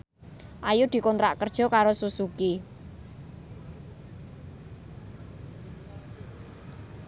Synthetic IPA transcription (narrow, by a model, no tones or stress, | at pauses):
ʔajud̪̥i̤kɔnt̪ɾaʔkərd̥ʒ̥ɔ̤kaɾosusuki